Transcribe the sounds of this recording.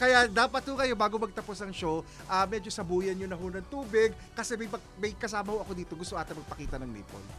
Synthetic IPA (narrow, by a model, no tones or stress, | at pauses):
kɐjad̪aːpɐt̪̚hʊkɐjo̞baːɡo̞mɐɡ̚t̪ɐpo̞snɐŋʃo | ʔɐmɛd͡ʒo̞sɐbuːjɐnjonɐɦonɐŋt̪uːbɪɡ | kɐsɛmɐjpɐ | mɐjkɐsaːmɐhoʔɐko̞d̪iːt̪o̞ɡʊst̪oʔaːt̪ɪŋmɐɡ̚pɐkiːt̪ɐnɐŋlḭːpo̰l